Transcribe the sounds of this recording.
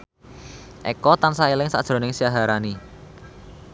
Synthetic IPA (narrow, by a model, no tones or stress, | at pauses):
ʔɛ̰kɔt̪ansaelɪŋsa̰d̥ʒ̥ɾo̤nɪŋsijaɦaɾani